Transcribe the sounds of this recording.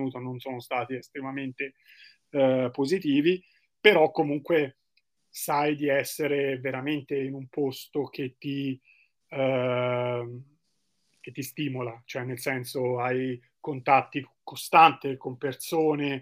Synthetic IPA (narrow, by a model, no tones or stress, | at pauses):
uːt̪ononsoːnost̪aːt̪iest̪ɾemament̪e | pozit̪iːvi | peɾɔkːomuŋkwe | sajd̪iɛsːeɾeveɾament̪einumpost̪ok̟et̪ːi | ket̪ːist̪iːmolat͡ʃoɛnːelsɛnsoaj | kont̪at̪ːikost̪ant̪ekompersoːne